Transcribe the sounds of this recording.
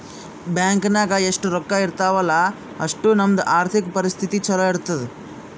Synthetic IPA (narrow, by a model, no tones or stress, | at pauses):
bjaːŋkɐnaːɡɐeʂʈuɾɔkːaːiɾt̪aːʋɐlːɐ | ɐʂʈunɐmɐd̪ɐʔaːɾt̪ʰikpɐɾist̪ʰit̪it͡ʃɐɾɐiɽt̪ɐd̪e